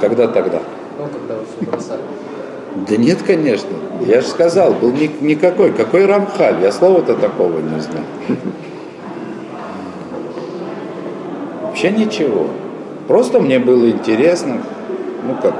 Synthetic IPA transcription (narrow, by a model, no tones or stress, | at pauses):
kɐɡd̪at̪ɐɡd̪a̰ | d̪ənʲe̞t̪kɐnʲe̞ʂnəjaʐɨskɐzɑlˠbɨlˠnʲɪnʲɪkɐko̞jkɐko̞jrɐmxalʲjaslˠo̞vət̪ət̪ɐko̞vənʲɪzna̰jʊ | vɐpɕːe̞nʲɪt͡ɕɪvo̞̰ | pɾo̞st̪əmnʲe̞bɨlˠəɪnʲtʲɪɾʲe̞snə | nukak